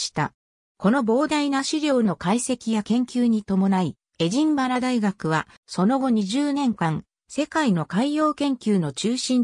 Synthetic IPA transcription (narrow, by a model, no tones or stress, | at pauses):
ɕi̥t̪a̰ | ko̞no̞bo̞ːd̪ainaɕiɾʲo̞ːno̞kaise̞kʲijakẽ̞ŋkʲɨːɲ̟it̪o̞mo̞nai | e̞ʑĩmbaɾad̪aiɡakɯ̟βa | so̞no̞ɡo̞ɲ̟iʑɨːnẽ̞ŋkãŋ̃ | se̞kaino̞kaijo̞ːkẽ̞ŋkʲɨːno̞t͡ɕɨːɕĩn